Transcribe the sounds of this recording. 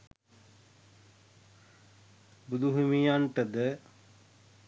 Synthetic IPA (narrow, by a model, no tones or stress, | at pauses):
bud̪uɦumijaɳʈəd̪ə